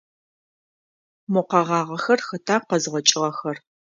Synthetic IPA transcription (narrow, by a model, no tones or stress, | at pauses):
mʊqɐʁɑːʁɐxɐrxɐtʰaːqɐzʁʷɔt͡ʃʼɪʁɐxɐr